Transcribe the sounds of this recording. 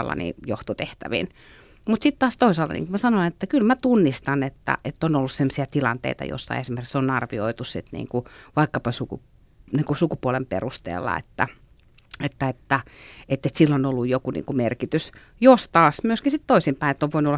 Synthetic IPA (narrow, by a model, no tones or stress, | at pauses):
lːɑ̰nḭjoht̪ot̪eht̪æ̰ʋḭn | mut̪sit̪t̪ɑːst̪oisɑlt̪ɑ̰nḭːŋkumæsɑnoinet̪ːækylmæt̪unːist̪ɑnet̪ːæ̰ʔet̪ːonolːussemːsiɑt̪ilɑnt̪ḛˑit̪ɑ̰jo̰sːɑ̰esimerkiksonɑrʋio̰it̪ussit̪nḭːŋkuʋɑikːɑpɑsukṵ | niːŋkusukupuɔlempḛrust̪ḛːlːɑ̰ḛt̪ːæ̰ | et̪ːæet̪ːæet̪ːet̪silːonolːujjokunḭːŋkumerkit̪ys | jost̪ɑːsmyøskinsit̪t̪oisimpæinet̪ːoʋʋoinuolɑ